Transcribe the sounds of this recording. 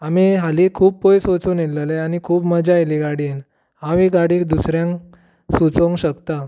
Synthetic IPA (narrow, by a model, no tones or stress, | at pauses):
amiɦalikʰuːp̚pojsot͡sonelːəleanikʰuːpməd͡ʑajliɡaɽin | aʋiɡaɽiːkd̪usɾjãŋk | sut͡sə̃ŋɕəkt̪a